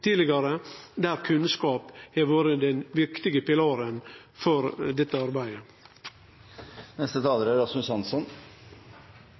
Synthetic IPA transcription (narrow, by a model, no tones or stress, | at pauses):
t̪ʰiːlɪɡɑɾəd̪æːɾkʰʉnskɑːpheːʋoːɾəd̪ɛnʋɪɾkt̪ɪɡəpɪlɑːɾən | fɔɾd̪ɛt̪ːəɑɾbæɪə | nɛst̪ət̪ʰɑːləɾæɾɑsmʉsɑnsɔn